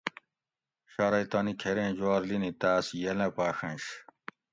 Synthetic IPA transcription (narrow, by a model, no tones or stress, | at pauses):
ɕaːɾɐjt̪aːnikʰeɾẽːd͡ʑwaːɾlinit̪aːsjɐlɐpaːxɐ̃nɕ